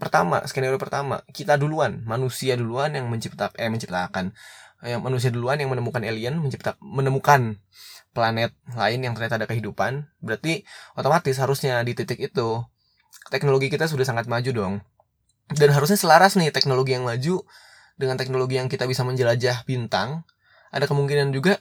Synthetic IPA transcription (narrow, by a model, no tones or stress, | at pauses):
pərt̪ama̰skenaɾiopərt̪ama̰kit̪aduluanmanusiaduluanjaŋməɲt͡ʃip̚t̪aɛməɲt͡ʃi̥p̚t̪akanmanus̬iaduluanjaŋmənəmukaneliənməɲt͡ʃip̚t̪amənəmukanplanɛt̪̚laɪnjaŋt̪ərɲat̪adakəɦidupanbəɾart̪iʔot̪omat̪ɪs̬ɦaɾusɲadit̪it̪ɪkit̪u | t̪ɛk̚noloɡikit̪as̬udahsaŋat̪̚mad͡ʒudɔŋ | danɦaɾus̬ɲasəlaɾasnɪht̪ɛk̚noloɡijaŋmad͡ʒu | dəŋant̪ɛk̚noloɡijaŋkit̪abisaməɲd͡ʒəlad͡ʒahb̥int̪aŋ | ʔa̰dakəmuŋkinand͡ʒuɡa